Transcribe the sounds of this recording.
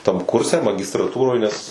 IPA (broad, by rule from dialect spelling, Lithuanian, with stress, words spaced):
tɐm ˈkʊrʲsʲɛ mɐɡʲɪstrɐˈtuːroːj nʲɛs